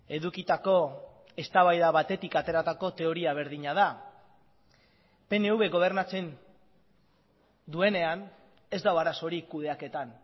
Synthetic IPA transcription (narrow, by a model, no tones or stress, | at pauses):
e̞ðukit̪ako̞ | e̞st̪aβajðaβat̪e̞t̪ikat̪e̞ɾat̪ako̞t̪e̞o̞ɾiaβ̞e̞ɾðiɲað̞a | pe̞ne̞uβe̞ɣo̞β̞e̞ɾnat͡se̞n | d̪ue̞ne̞an | e̞zd̪awaɾaso̞ɾikuð̞e̞ake̞t̪an